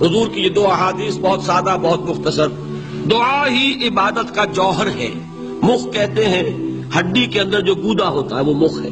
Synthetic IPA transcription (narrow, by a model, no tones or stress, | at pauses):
ɦʊzuːɾkijed̪oːɐɦaːd̪iːsbɔɦʊt̪saːd̪abɔɦʊt̪mʊxt̪əsəɾ | d̪ʊaɦiʔɪbaːd̪ət̪kad͡ʒɔːɦəɾɦɛ̰ː | mʊxkɛɦt̪eɦɛ̃ | hɐɖːikeɐ̃nd̪əɾd͡ʒoːɡuːd̪aɦoːt̪aɦɛʋomʊxɦɛ̰ː